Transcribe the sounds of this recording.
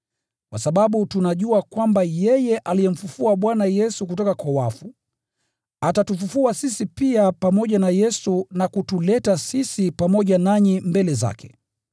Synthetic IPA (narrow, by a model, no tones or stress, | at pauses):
kwasaɓaɓutunaʄuakwambajɛjɛʔalijɛm̩fufuaɓwanajɛsuk̬utɔkakwawafu | atatufufuasisipiapamɔʄanajɛsunakutulɛtasisipamɔʄanaɲimbɛlɛza̰kʰɛ̥